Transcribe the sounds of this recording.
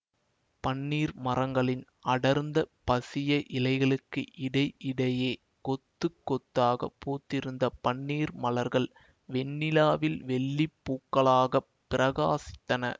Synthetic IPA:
pɐɳːiːɾmɐrɐŋɡɐɭɪn | ɐɽɐɾnd̪ɐpɐsɪjɐʔɪlɐɪɣɐɭɯkːɯʔɪɽɐɪʔɪɽɐjeː | kɔt̪ːɯkːɔt̪ːaːɣɐ̰pːuːt̪ːɪɾɯnd̪ɐpɐɳːiːɾmɐlɐɾɣɐɭ | ʋɛnːɪlaːʋɪlʋɛɭːipːuːkːɐɭaːɣɐ | pːɪɾɐɣaːsɪ̥t̪ːɐnɐ̰

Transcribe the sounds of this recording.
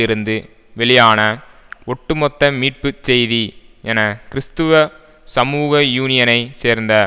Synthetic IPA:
ɪɾɯnd̪ɯ | ʋɛɭɪjaːnɐ | ɔʈːɯmɔt̪ːɐmiːʈ̚pɯt͡ʃsɛjðiʔɛnɐkɪɾɪst̪ɯʋɐ | sɐmuːɣɐjuːnɪjɐnɐɪseːɾnd̪ɐ

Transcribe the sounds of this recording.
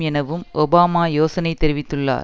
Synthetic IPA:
ɛnɐʋɯmʔɔbaːmaːjoːsɐnɐɪt̪ːɛɾɪʋɪt̪ːɯɭːa̰ːɾ

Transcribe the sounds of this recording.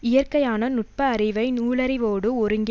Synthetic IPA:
ɪjɐrkɐjaːnɐnʊʈ̚pɐːɾɪʋɐɪnuːɭɐɾɪʋoːɽɯɔɾɯŋɡ

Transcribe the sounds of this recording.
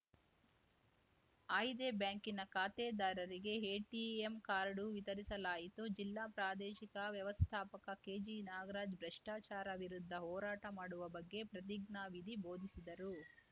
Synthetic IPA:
ɐjd̪ebjaːŋkinɐkaːt̪eːd̪aːɾɐɾiɡe̞ɦeːʈiemkaːɾɐɽuʋit̪ɐɾisɐlaːjit̪ud͡ʒilːaːpɾaːd̪ɛːʃikɐʋjɐʋɐst̪ʰaːpɐkɐke̞ːd͡ʒinaːɡɐɾaːd͡ʒbɾɐʂʈaːt͡ʃaːɾɐʋiɾud̪ʱːɐɦɔːɾaːʈɐmaːɽuʋɐbɐɡːe̞pɾɐt̪̬iɡɳaːʋid̪ʱibo̞ːd̪ʱisid̪ɐɾu

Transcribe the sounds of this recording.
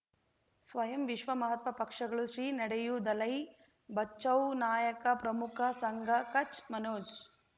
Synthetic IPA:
sʋɐjɐmʋiʃʋɐmɐɦɐt̪ʋɐpɐkʂɐɡɐɭuʃɾiːnɐɽejud̪ɐlɐj | bɐːt͡ʃːɐwnaːjɐkɐpɾɐmukʰɐsɐŋɡʱɐkɐt͡ʃmɐnoːd͡ʒ

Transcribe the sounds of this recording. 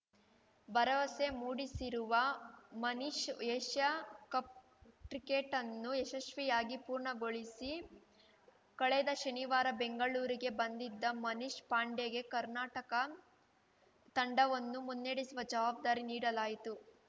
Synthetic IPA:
bɐɾɐʋɐse̞muːɽisiɾuʋɐmɐniʃjeʃjɐkɐp̚ | ʈɾikeʈɐnːueʃɐʃʋijaːɡipuːɾɳɐɡo̞ɭisi | kɐɭɛd̪ɐʃɐniʋaːɾɐbeŋɡɐɭuːɾiɡe̞bɐnd̪id̪ːɐmɐniʃpaːɳɖeɡe̞kɐɾnaːʈɐkɐ | t̪ɐɳɖɐʋɐnːumunːeːɽisuʋɐd͡ʒɐʋaːb̚d̪aːɾiniːɽɐlaːjit̪u

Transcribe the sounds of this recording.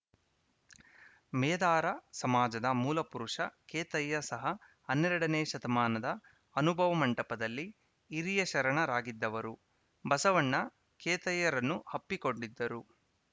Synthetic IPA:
mɛːd̪aːɾɐsɐmaːd͡ʒɐd̪ɐmuːlɐpuɾuʂɐkeːt̪ɐjːɐsɐɦɐ | ɐnːɛɾɐɽɐneːʃɐt̪ɐmaːnɐd̪ɐː | nubʱɐʋɐmɐɳʈɐpɐd̪ɐlːiː | ɾijɐʃɐɾɐɳɐɾaːɡid̪ːɐʋɐɾu | bɐsɐʋɐɳːɐ | keːt̪ɐjːɐɾɐnːuhɐpːiko̞ɳɖid̪ːɐɾu

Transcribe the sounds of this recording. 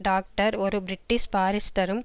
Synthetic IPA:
ɖaːk̚ʈɐɾɔɾɯbɾɪʈːɪspaːɾɪsʈɐɾɯm

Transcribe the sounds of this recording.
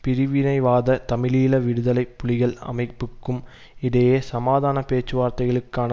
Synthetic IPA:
pɪɾɪʋɪnɐɪʋaːðɐt̪ɐmɪliːlɐʋɪɽɯðɐlɐɪpːʊlɪɣɐɭɐ̰mɐɪpːɯkːɯm | ɪɽɐjeːsɐmaːðaːnɐpeːt͡ʃːɯʋaːɾt̪ɐɪɣɐɭɯkːaːnɐ

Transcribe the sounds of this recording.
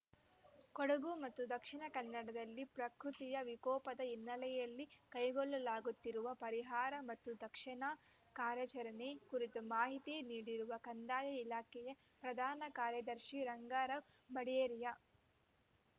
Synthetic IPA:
koɽɐɡumɐt̪ːud̪ɐkʂiɳɐkɐnːɐɽɐd̪ɐlːipɾɐkɾut̪ijɐʋikɔːpɐd̪ɐinːɐlɛjɐlːikɐjɡɔɭːɐlaːɡut̪ːiɾuʋɐpɐɾiɦaːɾɐmɐt̪ːud̪ɐkʂɐɳɐkaːɾjɐt͡ʃɐɾɐnekuɾit̪umaːɦit̪ieniːɽiɾuʋɐkɐnd̪aːjɐilaːkɛjɐ | pɾɐd̪ʱaːnɐkaːɾjɐd̪ɐɾʃiɾɐŋɡaːɾɐ | bɐɽeːɾijɐ

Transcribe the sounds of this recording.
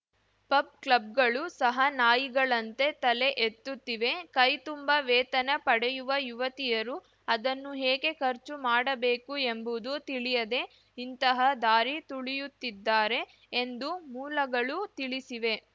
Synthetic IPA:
pɐb̚kɭɐb̚ɡɐɭusɐɦɐnaːjiɡɐɭɐnt̪e̞t̪ɐle̞ʔet̪ːut̪ːiʋe̞kɐjt̪umbɐʋɛːt̪ɐnɐpɐɽɛjuʋɐjuʋɐt̪ijɐɾu | ɐd̪ɐnːuɦeːɡe̞kɐɾt͡ʃumaːɽɐbeːkue̞mbud̪ut̪iɭijɐd̪e̞ | int̪ɐɦɐd̪aːɾit̪uɭijut̪ːid̪ːaːɾe̞ː | nd̪umuːlɐɡɐɭut̪iɭisiʋe̞

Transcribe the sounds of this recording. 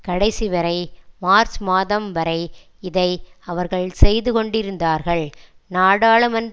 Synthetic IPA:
kɐɽɐɪsiʋɐɾɐɪmaːɾt͡ʃmaːðɐmʋɐɾɐɪ | ɪðɐɪɐʋɐɾɣɐɭsɛjðɯkɔɳɖɪɾɯnd̪aːɾɣɐɭ | naːɽaːɭɐmɐn

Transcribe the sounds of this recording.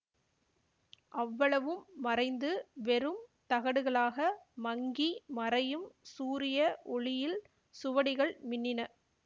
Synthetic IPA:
ʔɐʋːɐɭɐʋɯmːɐrɐɪnd̪ɯʋɛɾɯmt̪ɐɣɐɽɯɣɐɭaːɣɐmɐŋɡimɐrɐjɯmsuːɾɪjɐʔɔɭɪjɪl | sʊʋɐɽɪɣɐɭmɪnːɪnɐ

